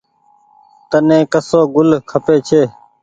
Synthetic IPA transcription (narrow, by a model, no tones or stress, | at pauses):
t̪ənẽːkəsoːɡʊlkʰəpeːt͡ʃʰeː